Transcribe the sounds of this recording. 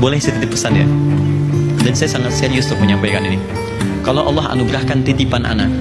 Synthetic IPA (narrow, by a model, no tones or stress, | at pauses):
bolɛhsət̪it̪ɪpːəsanja̰ | dansajasaŋat̪saɾiʊst̪ʊk̚məɲampajkanini | kalowʔɑlːɑɦa̰nuɡɾahkant̪it̪ipanʔa̰na̰k̚